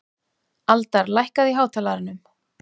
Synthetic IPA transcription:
alt̪aɾlajhkaðiɦaːwt̪ʰaːlaɾɪnːʏm

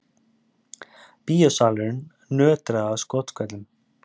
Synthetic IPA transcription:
piːjɔsaːlʏɾn | nœːt̪ɾaðaskɔt̪kʰɛt̪lʏm

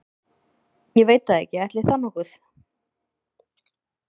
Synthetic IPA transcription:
jɛveːjt̪aðɛ̰hcɪɛht̪lɪθanɔhkʏθ

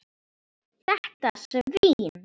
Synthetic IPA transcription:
θɛht̪asœviːn

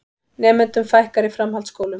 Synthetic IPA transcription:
nɛːmɛnt̪ʏmfajhkaɾɪfɾamɦalt̪skoːwlʏm

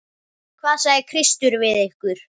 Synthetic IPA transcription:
kʰvaːðsaːɣjɪkʰɾɪst̪ʏɾvɪðehkʏɾ̥

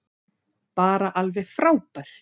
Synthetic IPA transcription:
paːɾaʔalvɛfɾaːwpaɾ̥

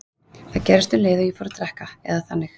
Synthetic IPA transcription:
θaðcɛɾɪst̪ʏmleːðʏifɔɾʏt̪ʰɾɛhkaɛ̰ðaθanːɪx

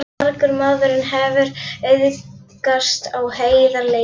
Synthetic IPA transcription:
ɾɾkʏɾmaððʏɾɪnɦɛvʏɾɪðkast̪awheːjðaɾle

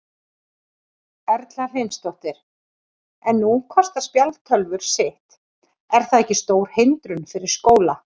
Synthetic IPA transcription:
ɛɾt̪lḁhenst̪ɔht̪ɪɾ̥ | ɛnːukʰɔst̪aspjalt̪ʰœlvʏɾ̥sɪht̪ | ɛɾ̥θaðɛhcːɪst̪oːwɾ̥hent̪ɾʏnfɪɾɪɾ̥skoːwla

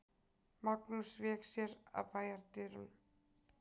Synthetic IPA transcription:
maknusvɛːksjɛɾa̰ðpaːjaɾt̪ɪːɾʏ̰n

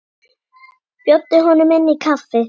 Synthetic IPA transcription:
pjɔt̪ːeɦɔnɔmɛnːikʰafɛ

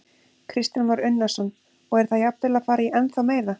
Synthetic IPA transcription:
kʰɾɪst̪ɪnvaɾʏnːḁsɔnː | ɔɣɛɾ̥θaðjap̪̚t̪ʰɪlaðfaːɾaiʔɛnθawmeːjɾða

